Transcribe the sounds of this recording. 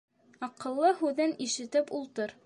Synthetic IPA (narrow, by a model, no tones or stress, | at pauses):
ɑqɤ̆lˠːɤɦʉðɘniʃɘ̆t̪ɘpulˠt̪ɤɾ